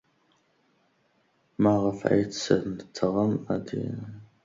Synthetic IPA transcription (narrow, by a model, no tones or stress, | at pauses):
maːʁɐfʕɐ̰jt͡sɐntʰɐʁɐma̰dḭ